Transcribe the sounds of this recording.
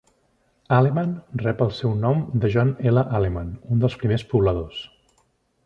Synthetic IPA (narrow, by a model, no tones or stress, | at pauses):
alemanrɛpəlˠsɛwnɔmd̪əʒɔneləʔalemanund̪əlˠspɾimespuβləðos